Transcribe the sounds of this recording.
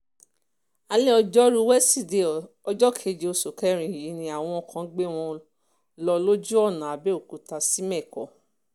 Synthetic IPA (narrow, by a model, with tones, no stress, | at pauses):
a˧le˦ɔ˧d͡ʒɔ˦ɾu˧wɛ˦si˦˨de˧ | ɔ˧d͡ʒɔ˦kʰe˨˧d͡ʒe˧o˧so˨kɛ˦ɾ̃ĩ˧˨i˨ji˨˦nĩ˧a˨w̃ɔ̃˧ɔ˧˨kʰã˨˦ɡ͡be˦w̃ɔ̃˧ | lɔ˧lo˦d͡ʒu˦ɔ˦˨nã˨a˨bɛ˦o˦˨ku˨ta˧si˦mɛ̃˦˨kɔ˨˦